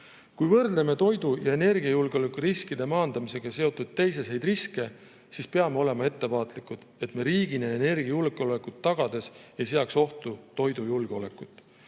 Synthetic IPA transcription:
kujvɤrd̪̥leme̞t̪o̞jd̪̥ujɑe̞ne̞rɡ̥iɑjulɡ̥eo̞le̞kːˑuɾiskid̪̥e̞mɑːnd̪̥ɑmise̞ɡ̥ɑse̞o̞t̪ːˑud̪̥̚t̪e̞jse̞se̞jd̪riske̞ | sispe̞ɑme̞o̞le̞mɑe̞t̪ːe̞vɑːt̪ˑlikːˑud̪̥e̞t̪me̞ɾiːɡ̥ineene̞rɡ̥iɑjulɡ̥eo̞lekˑut̪ːɑɡ̥ɑd̪̥e̞sejseɑkso̞ht̪ut̪o̞jd̪ujulɡ̥eo̞le̞kːˑut̪ːˑ

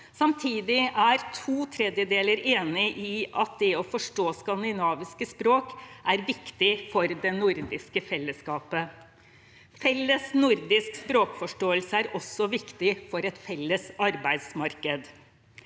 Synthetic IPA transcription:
sɑmt̪ʰiːd̪ɪʔæɾt̪ʰuːt̪ʰɾɛd̪jəd̪eːləɾeːnɪʔɪʔɑt̪̚d̪ɛɔfɔʂʈoːskɑnd̪ɪnɑːʋɪskəspɾoːkʔæɾʋɪkt̪ɪfɔɾd̪ɛnʊɾd̪ɪskəfɛlːəskɑːpə | fɛlːəsnʊɾd̪ɪskspɾoːkfɔʂʈoːəlsəæɾɔsɔʋɪkt̪ɪfɔɾɛt̪fɛlːəsɑɾbæɪd̪smɑɾkəd̪

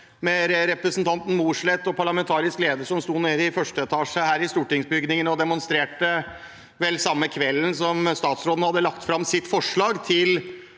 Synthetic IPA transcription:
mɛɾɛɾɛpɾəsn̩t̪ʰɑnt̪n̩muːʂɭɛt̪ːɔpʰɑɭɑmɛnt̪ʰɑːɾɪskleːd̪əʂɔmst̪uːneːd̪əɪfœʂʈəɛt̪ʰɑːʂəhæːɾɪst̪uːʈɪŋsbʏɡnɪŋənɔd̪ɛmʊnst̪ɾeːʈə | ʋɛlsɑmːəkʰʋɛlːnsɔmst̪ɑːt̪sɾoːd̪n̩hɑd̪ːəlɑkt̪fɾɑmsɪt̪fɔʂɭɑːɡt̪ʰɪl

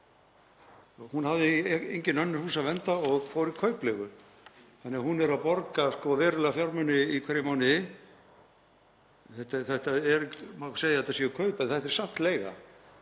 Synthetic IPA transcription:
hunhavðɪejɲcɪnœnːɪɾ̥huːsavɛnt̪aɔɣfoːwɾikʰœːɥplɛɣʏ | θanːɪahunɛɾawpɔɾkaskɔvɛːɾʏlɛɣafjawɾmœnːɪikʰɛɾjɪmawnɪ | θɛht̪aθɛht̪aɛɾmaseːjðɪɛt̪asiʏkʰœɥpɛnθɛht̪ɛɾ̥sam̥t̪leːjɣa̰

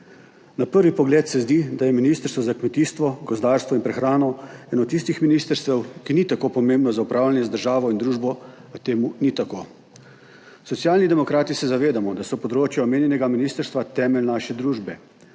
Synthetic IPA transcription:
napəɾʋipɔɡleːt̪sɛzd̪id̪ajɛminist̪əɾst̪ʋɔzakmɛt̪iːst̪ʋɔɡɔzd̪aːɾst̪ʋɔinpɾɛxɾaːnɔɛːnɔt̪ːist̪ixminist̪əɾst̪ʋɛwkinit̪akopɔmeːmbnɔzaupɾaːwlʲjanjɛzd̪əɾʒaːʋɔind̪ɾuːʒbɔ | t̪eːmunit̪akoː | sɔt̪sjaːlnid̪ɛmɔkɾaːt̪isɛzaʋeːd̪amɔd̪asɔpɔd̪ɾoːt͡ʃjaɔmeːnjɛnɛɡaminiːst̪əɾst̪ʋat̪ɛːmɛlnaːʃɛd̪ɾuːʒbɛ

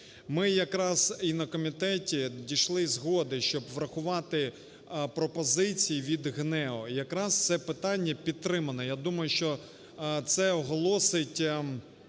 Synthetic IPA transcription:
mɪjɐkɾɑzinɐkɔmʲit̪ɛtʲidʲijʃlˠɪzɦɔd̪ɪʃt͡ʃɔbʋɾɐxʊʋɑt̪ɪ | pɾɔpɔzɪt͡sʲijiʋʲid̪ɦnɛɔijɐkɾɑst̪sɛpɪt̪ɑnʲːɐpʲid̪̚t̪ːɾɪmɐnɔjad̪umɐjʊʃt͡ʃɔ | t̪sɛɔɦɔlˠɔsɪtʲ

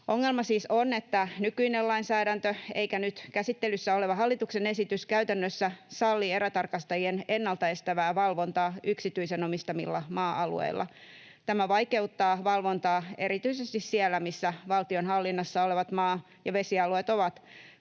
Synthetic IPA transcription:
oŋːe̞lmɑsiːsonet̪ːænykyinelɑinsæːɾænt̪øeikænyt̪kæsit̪ːelysːæoleʋɑɦɑlːit̪uksene̞sit̪yskæyt̪ænːøsːæsɑlːieɾæt̪ɑrkɑst̪ɑjienenːɑlt̪ɑe̞st̪æʋæːʋɑlʋo̞nt̪ɑːyksit̪yisenomist̪ɑmḭlːɑmɑːɑlṵḛilːɑ̰ | t̪æmæʋɑike̞ut̪ːɑːʋɑlʋo̞nt̪ɑːe̞ɾit̪yisest̪issielːæmisːæʋɑlt̪io̞nhɑlːinːɑsːɑoleʋɑt̪mɑː | jɑʋe̞siɑluet̪oʋɑt̪

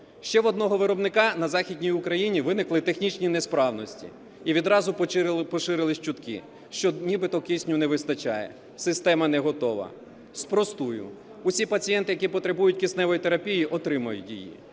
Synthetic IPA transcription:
ʃt͡ʃɛʋɔd̪nɔɦɔʋɪɾɔbnɪkɑnɐzɑxʲidʲnʲijʊkɾɐjinʲiʋɪnɪklˠɪt̪e̞xnʲit͡ʃnʲinespɾɑwnɔsʲtʲḭ | iʋʲid̪ɾɑzʊpɔʃɪɾɪlˠɪʃt͡ʃʊt̪kɪ̰ | ʃt͡ʃɔnʲibɪt̪ɔkʲisʲnʲʊnɛʋɪst̪ɐt͡ʃɑ̰jɛ̰ | sɪst̪ɛmɐnɛɦɔt̪ɔʋɐ̰ | spɾɔst̪ujʊ̰ | ʊsʲipɐt͡sʲijɛnt̪ɪjɐkʲipɔt̪ɾebujʊtʲkʲisnɛʋɔjit̪eɾɐpʲijiʔɔt̪ɾɪmɐjʊtʲjḭjḭ

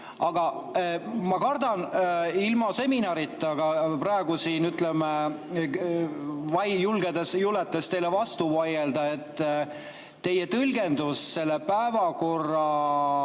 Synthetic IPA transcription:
ɑɡ̥ɑ | mɑkɑrd̪ɑnilmɑse̞minɑɾit̪ːˑɑɡ̥ɑprɑeɡ̥usiːnyt̪leme | vɑjjulɡ̥ed̪esjulet̪ːˑest̪e̞jlevɑst̪uvɑje̞ld̪ɑe̞t̪ː | e̞jet̪ɤlɡe̞nd̪usse̞lːepæevɑko̞rːɑ

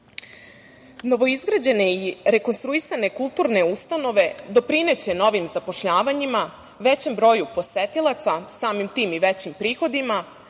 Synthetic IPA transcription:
no̞ʋo̞izɡɾad͡ʑe̞ne̞iɾe̞ko̞nst̪ɾuisane̞kulˠt̪uːɾne̞ust̪ano̞ʋe̞d̪o̞pɾine̞t͡ɕe̞no̞ʋimzapo̞ʃʎaːʋaɲima | ʋet͡ɕe̞mbɾo̞jupo̞set̪ilˠat̪sasaːmimt̪iːmiʋet͡ɕimpɾiːxo̞d̪ima

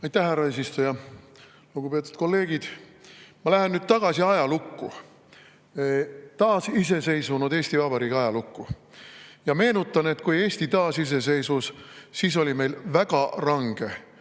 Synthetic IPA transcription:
ɑjt̪ːˑæhhærːɑeːs̬ist̪ujɑ | luɡ̥upe̞ːt̪ːˑu̥t̪̚ko̞lːe̞ːɡ̥id̪̥ | mɑlæɦenːyːd̪̥t̪ɑɡ̥ɑsiɑjɑlukːṵ | t̪ɑːsise̞se̞jsvunud̪e̞ːsʲt̪ivɑbɑɾiːkɑjɑlukːu | jɑme̞ːnut̪ːˑɑne̞t̪kuje̞ːsʲt̪it̪ɑːsis̬e̞s̬e̞jsvussiːs̬o̞lʲime̞jlvæɡ̥ɑrɑŋɡ̥e̞

